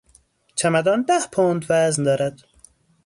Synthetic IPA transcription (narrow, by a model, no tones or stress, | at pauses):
t͡ʃʰæmæd̪ɒːnd̪æhpʰoːnd̪væznd̪ɒːɾæd̪̥